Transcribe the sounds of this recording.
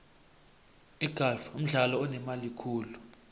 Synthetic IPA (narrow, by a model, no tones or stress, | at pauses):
iɡ̥ʱalfum̩ɮalɔɔnɛmalikʰuːlu